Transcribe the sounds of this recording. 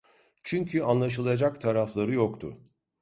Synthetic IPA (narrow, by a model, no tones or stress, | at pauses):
t͡ʃʰyɲcʰyanlˠaʃ̬ɯlˠad͡ʒakt̪ʰaɾaflˠaɾɯjokt̪ʰʊ̰